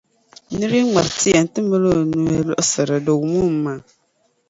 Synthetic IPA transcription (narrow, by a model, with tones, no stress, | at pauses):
nɨ˦ɾi˦ŋ͡ma˨ɾti˦ɛ˨n˦tɨ˦mə˦lo˦˨nu˦ɛ˦lɔ˦ʔsɨ˨ɾɨ˨do˨wu˨mu˦m˦maː˨˦˨